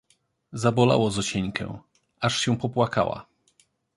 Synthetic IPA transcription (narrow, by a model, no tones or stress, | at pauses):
zabɔla̰wɔzɔɕɛɲkʰɛ̰̃ | ʔaʂɕɛ̃pɔpwaka̰wa̰